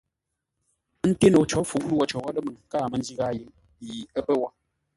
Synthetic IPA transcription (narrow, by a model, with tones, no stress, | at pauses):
n̩˦te˦no˨t͡ʃɔ˦fu˨˦ʔnu˦ɔ˨t͡ʃɔ˨wa˦lə˦mə˨ŋ˨kaː˦˨mə˨˦nd͡ʒi˦ɣa˦je˨˦ŋ | ji˨ə˦pə˦wa˦